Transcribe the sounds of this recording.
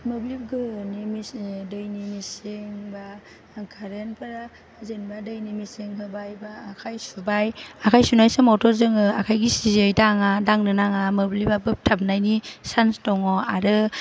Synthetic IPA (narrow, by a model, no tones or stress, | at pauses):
mɯblib̚ɡɯnimisdɯjnimisiŋba | kʰaɾenpʰɯɾa | zenbadɯjnimisiŋɦɯbajbaːkʰajsubajakʰajsunajsɯmɔtʰɔɾzɯŋɯakʰajɡisizɯjtaŋadaŋnɯnaŋamɯblibabɯp̚tʰab̚najnisanstɔwŋɔaɾɯ